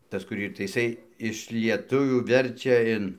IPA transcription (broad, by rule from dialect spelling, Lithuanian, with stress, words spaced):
ˈtɐs kʊr ˈiːr tɐɪ ɪˈsɐɪ ɪʃ lʲiɛˈtʊʋʲuː ˈʋʲɛrʲt͡ʃʲɛ ɪn